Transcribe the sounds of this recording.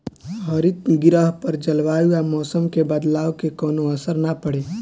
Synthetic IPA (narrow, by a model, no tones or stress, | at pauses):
ɦəɾɪt̪ɡɪɾəɦpəɾd͡ʒəlʋaːuamɔːsəmkebəd̪laːʋkekɔːnoəsəɾnapəɽeː